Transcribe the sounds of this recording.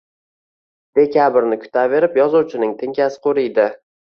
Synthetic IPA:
d̪̥e̞kʲabɾnɪkʲʰʊ̥t̪ʰave̞ɾɪpjɒzuwt͡ʃʰɪnɪŋt̪ʰɪŋkʲasɪ̥qʰoɾɪjd̪ɪ

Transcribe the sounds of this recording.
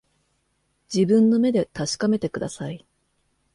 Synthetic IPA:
d͡ʑibɯ̟̃nːo̞me̞d̪e̞t̪aɕi̥kame̞t̪e̞kɯ̟d̪a̰sai

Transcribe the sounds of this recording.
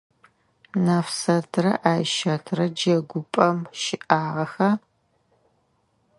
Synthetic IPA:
naːfsɐtʰrɐʔaːjʃɐtʰrɐd͡ʒɐɡʷʊpʼɐmʃɪʔaːʁɐxɐ

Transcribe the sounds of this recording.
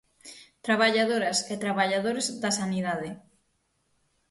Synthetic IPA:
t̪ɾaβaʎaðoɾɐset̪ɾaβaʎaðoɾezðɐsaniðað̞ɪ

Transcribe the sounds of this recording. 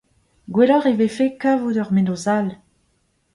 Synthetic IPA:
ɡwelɔʁevefekavud̪œʁmenozal

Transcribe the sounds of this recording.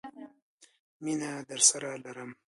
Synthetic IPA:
minad̪əɾsaɾalaɾəm

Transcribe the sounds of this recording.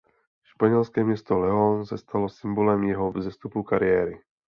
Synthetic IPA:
ʃpaɲɛlskɛːmjɛst̪ɔlɛɔnsast̪alɔsimbɔlɛmjɛɦɔvzɛst̪upukaɾiɛːɾi

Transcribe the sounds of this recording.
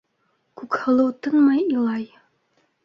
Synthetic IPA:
kʉkhɤ̆lˠɤwt̪ɤnmɑjilˠɑj

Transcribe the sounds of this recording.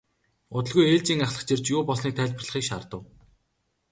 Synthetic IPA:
ʊt̪ə̆ɮɣujeːɮt͡ɕiːŋaχɮə̆χt͡ɕert͡ɕjʊːpɔsniːk̚t̪ʰæːɮʲp̆rɮə̆χiːkʃaːrt̪ə̆w

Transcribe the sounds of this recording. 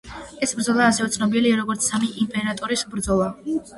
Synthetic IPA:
ɛsbɾd̪zɔlˠaːsɛvɛt̪sʰnɔbiliaɾɔɡɔɾt̪sʰsamiʔimpʼɛɾat̪ʼɔɾisbɾd̪zɔlˠa

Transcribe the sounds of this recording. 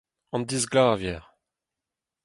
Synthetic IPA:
ɑ̃nd̪izɡlaːvjɛːʁ

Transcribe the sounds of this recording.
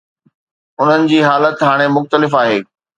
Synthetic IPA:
ʊn̤ənɪ̆d͡ʑiːɦaːlət̪ɦaːɽ̃emʊxt̪əlɪfaːɦeː

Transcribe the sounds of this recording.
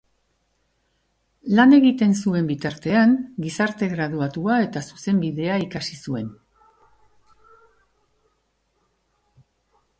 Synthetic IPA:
lane̞ɣit̪e̞nsue̞mbit̪aɾt̪e̞aŋɡisaɾt̪e̞ɣɾaðuat̪uae̞t̪asuse̞mbiðe̞aikasisue̞n

